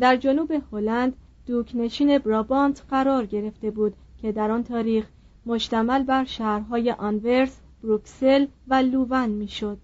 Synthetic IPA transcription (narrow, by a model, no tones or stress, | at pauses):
d̪æɾd͡ʒo̞nuːbe̞holænd̪ | d̪uːkʰne̞ʃiːne̞bɾɒbɒnt̪ʰɢæɾɒːɾɟe̞ɾe̞ft̪e̞buːd̪ | cʰe̞d̪æɾɒːnt̪ʰɒːɾiːx | mo̞ʃt̪æmælbæɾʃæːhɾɦɒːje̞ʔɒnve̞ɾs | b̥ɾukse̞lvæluːvænmiːʃo̞d̪̥̚